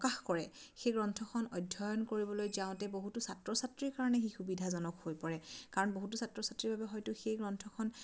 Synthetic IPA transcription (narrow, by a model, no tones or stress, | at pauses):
kaxkɔɹɛxejɡɹɔntʰɔkʰɔnɔjdʱɔjɔnkoɹibɔlojzãʊ̃tɛboɦutʊsatɹɔsatɹiɹkaɹɔnɛxixubidʱazɔnɔkhojpɔɹɛkaɹɔnboɦutusatɹɔsatɹibʱabɛɦɔjtʊxejɡɹɔntʰɔkʰɔn